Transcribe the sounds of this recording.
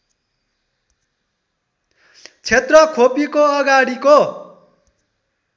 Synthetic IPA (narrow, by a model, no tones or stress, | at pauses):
t͡sʰet̪rʌkʰopikoʌɡaɽiko